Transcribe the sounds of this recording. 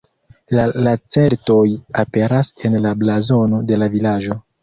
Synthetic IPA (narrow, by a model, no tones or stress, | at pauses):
lalat͡se̞ɾto̞jape̞ɾase̞nlablazo̞no̞de̞lavilaʒo̞